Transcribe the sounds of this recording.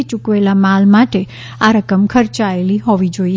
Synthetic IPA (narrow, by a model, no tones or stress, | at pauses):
t͡ʃukʋelamalmaʈe | aɾəkəmkʰəɾt͡ʃaeliɦoʋid͡ʒoi